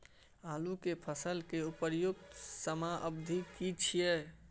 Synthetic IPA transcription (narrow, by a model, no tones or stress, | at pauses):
aːlukepʰəsəlkeupəɾjʊk̚t̪səmaʔəbd̪ʱikit͡ʃʰije